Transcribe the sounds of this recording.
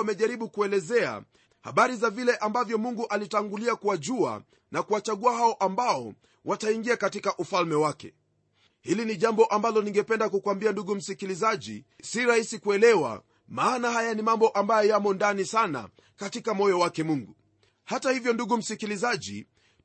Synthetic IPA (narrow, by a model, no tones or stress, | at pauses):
mɛʄaɾiɓukuɛlɛzɛa̰ | ha̰ɓaɾizavilɛʔambavjɔmuŋɡuʔalitaŋɡuliakuwaʄua̰ | nakuwat͡ʃaɠuahaɔʔambaɔ | wʔataiŋɡiakatikaʔufalmɛwakɛ̰ | hiliniʄambɔʔambalɔniŋɡɛpɛndakukwambianduɠum̩sikilizaʄḭ | siɾahisikuɛlɛwa̰ | maːnahajanimambɔʔambajɔjamɔndanisana̰ | katikamɔjɔwakɛmuŋɡu | hatahivjɔnduɠum̩sikilizaʄḭ